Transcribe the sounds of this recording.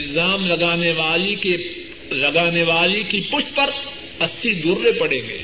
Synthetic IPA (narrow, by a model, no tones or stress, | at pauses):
lzaːmlɐɡaːneʋaːlike | lɐɡaːneʋaːlikipʊʃt̪pɐɾ | ɐsːid̪ʊɾːepɐɽẽːŋɡḛː